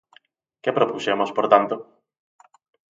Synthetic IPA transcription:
kepɾopusemospoɾt̪ant̪o

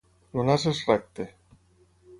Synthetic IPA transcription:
lonas̬esrɛk̚t̪e

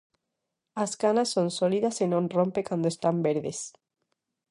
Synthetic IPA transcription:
askanasːonsoliðasenõnrompekand̪oest̪ambeɾðes

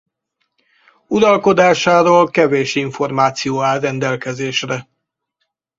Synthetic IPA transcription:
uɾɒlko̞d̪aːʃaːɾoːlkɛveːʃiɱfo̞rmaːt̪sijoːaːlrɛnd̪ɛlkɛzeːʃrɛ

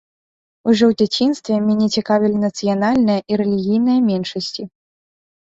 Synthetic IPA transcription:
uʐɔwd͡zʲat͡sʲinst̪vʲɛmʲanʲɛt͡sʲikavʲilʲinɐt̪sɨjanalʲnɐjɐʔiɾɛlʲiɣʲijn̪ɐjɐmʲɛnʂɐsʲt͡sʲi

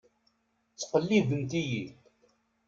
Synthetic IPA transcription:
t͡sːə̥qəlːiðənt̪iji

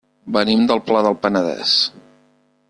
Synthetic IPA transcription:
bənimd̪əlˠplaðəlˠpənəðɛ̰s

